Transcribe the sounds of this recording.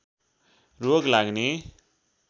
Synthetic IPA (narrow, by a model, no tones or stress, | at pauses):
roɡlaɡne